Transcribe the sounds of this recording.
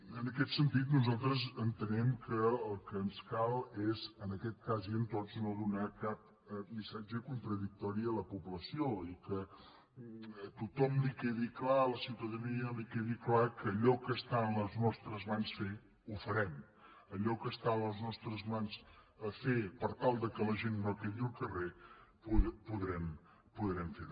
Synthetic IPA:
ənəkɛt̪sənt̪it̪nuzalˠt̪ɾəzənt̪ənɛmkəəlˠkənskalˠezənəkɛt̪̚kaziənt̪ɔznoðunakap̚ | əmisad͡ʒəkunt̪ɾəðik̚t̪ɔɾiələpupləsioikə | t̪ut̪ɔmlikɛðiklaləsiwt̪əðəniəlikeðiklakəːʎɔkəst̪aənləznɔst̪ɾəzmansfe | ufəɾɛm | əʎɔkəst̪aənəznɔst̪ɾəzmans | əfepəɾt̪alˠd̪əkələʒenːokeɣiəlˠkərepupuðɾɛm | puðɾɛmfe

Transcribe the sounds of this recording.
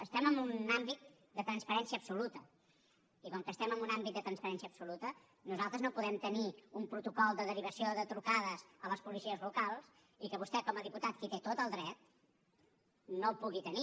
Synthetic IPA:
əst̪ɛməmbunambit̪̚ | d̪ət̪ɾənspəɾɛnsiəpsulut̪ə | ikɔŋkəːst̪ɛməmbunambit̪d̪ət̪ɾənspəɾɛnsiəpsulut̪ə | nuzalˠt̪ɾəznopuðɛmt̪əniumpɾut̪ukɔlˠd̪əðəɾiβ̞əsioðət̪ɾukaðəzələspulisiəzlukalˠs | ikəβust̪ɛkɔməðiput̪at̪kit̪et̪ot̪əlˠd̪ɾɛt̪̚ | nolˠpuɣit̪əni

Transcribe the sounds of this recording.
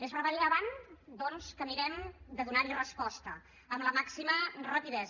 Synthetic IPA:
ezβəɾβəɾiaβand̪ɔnskəniɾɛmd̪əðunaɾirəspɔst̪ə̰ | əmləmaksimərəpiðɛz

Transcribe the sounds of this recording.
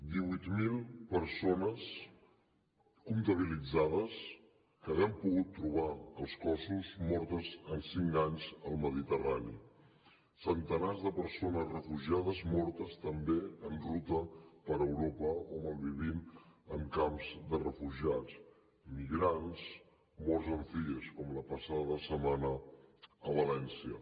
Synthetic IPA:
d̪iβut̪milˠpəɾsonəs | kunt̪əβ̞ilid͡zað̞əs | kəβiəmpuɣut̪ːɾuβ̞aəlˠskɔsuzmɔɾt̪əzənsiŋkaɲzəlˠməðit̪əranḭ | sənt̪ənazðəpəɾsonəzrəfuʒiaðəzmɔɾt̪əst̪əmbeənrut̪əpəɾəwɾopəoməlˠβiβ̞iməmkamzd̪ərəfuʒiat͡s | imiɣɾanz | mɔɾzəɱfiʎəskɔmləpəsaðəðəsəmanəː | β̞əlɛnsiə

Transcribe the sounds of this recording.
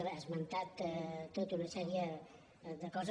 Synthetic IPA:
ɾəːzmənt̪at̪t̪ːot̪unɐsɛɾiə | ðəkɔz

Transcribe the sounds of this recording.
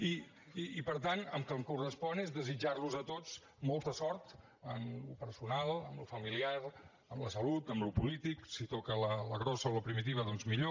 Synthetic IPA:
iː | pəɾt̪anəmkəmkurəspɔnezðəzid͡ʒaɾluzət̪ot͡s | mɔlˠt̪əsɔɾt̪ | ənlupəɾsunalˠəmlufəmiliaɾ | əmləsəlut̪əmlupulit̪iksit̪ɔkələləɣɾɔsəoləpɾimit̪iβəðɔnzmiʎo

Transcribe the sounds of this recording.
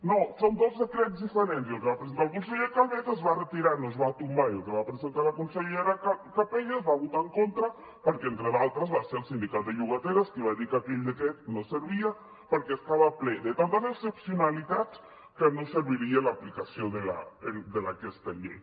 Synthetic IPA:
nosond̪ozðəkɾɛzðifəɾenziəlˠkeβapɾezent̪alkunseʎekalˠβezəzβarət̪iɾanoezβat̪umbaiəlˠkeβapɾezent̪alakunseʎeɾakakapeʎazβaβut̪aeŋkont̪ɾə | pəɾkɛent̪ɾəðalˠt̪ɾəzβaseɾəlˠsind̪ikat̪̚d̪əʎuɣət̪eɾəskiβ̞aðikapeʎd̪əkɛt̪nosəɾβia | pəɾkɛːst̪aβaplɛðət̪ant̪əzesəpsiunalit̪at͡s | kənosəɾβiɾielaplikasioðəla̰ed̪əlakɛst̪əʎḛj

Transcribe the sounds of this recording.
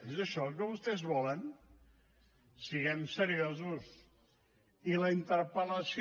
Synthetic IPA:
ezəʃɔkɔəβust̪ɛzβɔlən | siɣɛmsəɾiozus | iləint̪əɾpələsi

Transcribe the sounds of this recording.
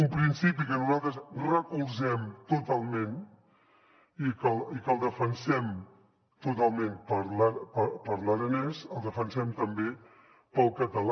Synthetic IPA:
umpɾinsipikənuzalˠt̪ɾəsrəkulˠzɛmt̪ut̪alˠmẽn | ikəlˠikəlˠd̪əfənsɛm | t̪ut̪alˠmẽnpəɾlapəpəɾləɾənɛzəlˠd̪əfənsɛmt̪əmbe | pəlˠkət̪əl

